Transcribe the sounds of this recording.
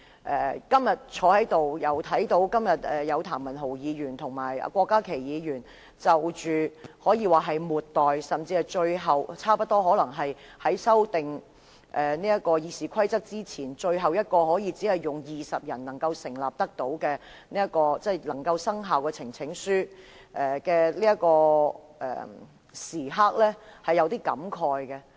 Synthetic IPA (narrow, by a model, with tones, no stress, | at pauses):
ʔɛː˨˩kɐ˥mjɐ˨t̚t͡ʃʰɔː˨˥hɐ˨˥jt̪o˨wjɐ˨˧wt̪ʰɐ˨˥jt̪o˨˥wkɐ˥mjɐ˨t̚ɛː˨jɐ˨˧wt̪ʰaː˨˩nmːɐ˨˩nɦo˨˩wjiː˨˧jyː˨˩nt̪ʰʊ˨˩ŋmaː˨˩jɐ̰˧kʷɔː˧kːaː˥kʰe˨˩jjiː˨˧jyː˨˩n | t͡sɐ˨wt͡ʃyː˨hɔː˨˥jiː˨˧waː˨ɦɐ˨jmuː˨tt̪ːɔː˨jsɐ˨mt͡siː˧hɐ˨jt͡ʃɵ˧ɥɦɐ˨wt͡sʰaː˥pɐ˥t̚t̪ːɔː˥ɦɔː˨˥lɐ˨˩ŋɦɐ˨jhɐ˨˥jsɐ˥wt̪ɪ˨ŋ | ʔɛː˨niː˥ɐ˥t̚kɔː˧jiː˨˧siː˨kʷʰɐ˥jt͡sɐ˥k̚t͡siː˥t͡sʰiː˨˩nt͡ʃɵ˧ɥɦɐ˨wjɐ˥t̚kɔː˧ɦɔː˨˥jiː˨˧t͡siː˨˥ɐ˨jːʊ˨ŋjiː˨sɐ˨p̚jɐ˨˩nnɐ˨˩ŋkɐ˧wsɪ˨˩ŋla̰ː˨p̚t̪ɐ˥k̚t̪o˨˥wkɛː˧ | niː˥ɐ˥t̚kɔː˧t͡sɛ˥˩jlɐ˨˩ŋkɐ˧wsɐ˥ŋɦaː˨wkɛː˧t͡sʰɪ˨˩ŋt͡sʰɪ˨˥ŋsyː˥ | ʔɛː˨kɛː˧liː˥jɐ˥t̚kɔː˧ʔɛ̰ː˨˩ | siː˨˩ɦa˥k̚lɛː˥hɐ˨jːɐ˨˧wt̪iː˥kɐ̰˨˥mkʰɔː˨˧jkɛ˧